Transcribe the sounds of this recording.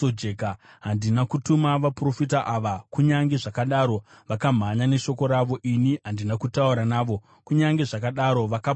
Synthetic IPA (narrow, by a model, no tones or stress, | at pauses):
od͡ʒekaɦandinakutumaʋapro̞fit̬aʔaʋakuɲaŋɡe̞ʐakaɗaːɾo̞ | ʋakam̤aɲane̞ʃo̞ko̞ɾaʋo̞ʔiniɦandinakutauɾanaːʋo̞ | kuɲaŋɡe̞ʐakaɗaɾo̞ʋaka